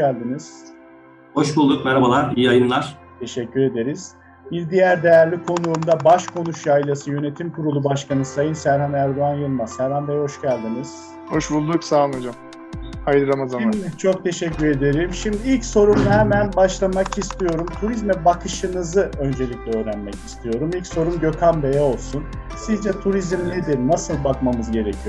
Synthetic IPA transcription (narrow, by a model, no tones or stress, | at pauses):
ælʲd̪iniz̥ | ho̞ʃbulˠd̪ukmɛɾabalˠaɾijiajɯnlˠaɾ̥ | t̪ʰe̞ʃɛcʰːyɾe̞d̪e̞ɾiz̥ | biɾd̪ijæɾd̪e̞jæɾlʲikʰo̞nuːnd̪abaʃkʰo̞nuʃjailˠasɯjø̞ne̞t̪ʰimkʰuɾulˠubaʃkanɯsajɯnsæɾhanæɾd̪oanjɯlˠmasæɾhand̪ajhɦo̞ʃcælʲd̪iniz̥ | ho̞ʃbulˠd̪uksaːad͡ʒam | hajd̪ɯɾamazat͡ʃʰo̞k̚t̪ʰe̞ʃɛcːyɾe̞d̪eɾimʃimd̪iilʲcso̞ɾumhɛmænbaʃlˠamakist̪ʰijo̞ɾumt̪ʰuɾizmɛbakʰɯʃɯnɯzɯø̞nd͡ʒe̞lʲicʲlʲɛø̞ːɾænmɛci̥st̪ʰijo̞ɾumilʲcso̞ɾumɟø̞kʰambe̞jɛo̞lˠsun | sizd͡ʒɛt̪ʰuɾizmlʲid̪iɾnasɯlˠbakmamɯzɟe̞ɾecʰijo